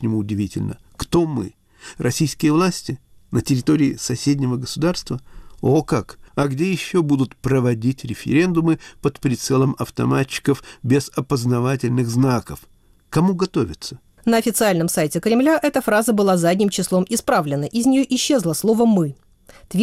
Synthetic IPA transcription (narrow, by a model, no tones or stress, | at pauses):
nʲɪmuːdʲɪvʲitʲɪ̰lʲnə̰ | kt̪omɨ̰ | rʔɐsʲijskʲɪjəvlˠasʲtʲɪ | nətʲɪɾʲɪt̪o̞ɾʲɪːsɐsʲedʲnʲɪvəɡəsʊd̪arst̪vəokakɐɡdʲe̞jɪɕːobud̪ʊt̪pɾəvɐdʲitʲɾʲɪfʲɪ̰ɾʲe̞nd̪ʊmɨpət̪pɾʲɪt̪sɛlˠəmɐft̪ɐ̰mat͡ɕːɪ̥kəfbʲɪzɐpəznɐvat̬ʲɪlʲnɨɣznakəf | kɐmuɡɐt̪o̞vʲɪt̪sə | nəɐfʲɪt̪sɨalʲnəmsajtʲɪkɾʲɪmlʲaʔɛt̪əfɾazəbɨlˠazadʲnʲɪmt͡ɕɪslˠo̞mɪspɾavlʲɪnəʔɪzʲnʲɪjoʔɪɕːe̞zlˠəslˠo̞vəmɨ | t̪vʲ